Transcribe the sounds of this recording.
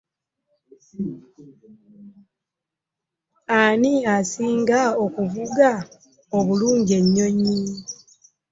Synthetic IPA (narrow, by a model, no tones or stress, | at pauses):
aniasiːŋɡao̞kuvuɡa | o̞βuluːɲɟe̞ɲːo̞ɲi